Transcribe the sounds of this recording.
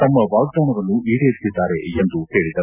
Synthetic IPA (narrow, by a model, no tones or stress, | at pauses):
t̪ɐmːɐʋaːɾk̚ɖ̪ɐwnɐɾɐnːuʔiːɽeɾit̪ːid̪ːaːɾe̞end̪uhe̞ːɭid̪ɐ